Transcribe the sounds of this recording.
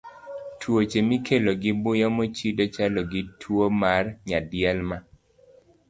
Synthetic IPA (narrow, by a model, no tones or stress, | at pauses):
twot͡ʃemikʰeloɡɪbʊjɔmot͡ʃidɔt͡ʃalɔɡitʰwomarɲadɪɛlma